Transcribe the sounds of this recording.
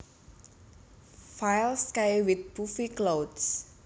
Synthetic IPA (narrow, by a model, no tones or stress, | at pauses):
fajlskajwit̪̚b̥ufiklowds